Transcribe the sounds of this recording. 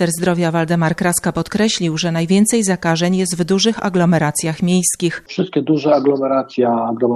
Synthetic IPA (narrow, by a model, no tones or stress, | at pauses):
t̪ɛɾzd̪ɾɔvʲjavald̪ɛmaɾkɾaskapɔt̪kɾɛɕlʲiwʐɛnajvʲjɛnt̪sɛjzakaʐɛɲjɛst̪vd̪uʐɘxa̰ɡlɔmɛɾat̪sʲjaxmʲjejskʲixfʂɘst̪̚kʲɛd̪uʐɛaɡlɔmɛɾat̪sʲjaːɡlɔm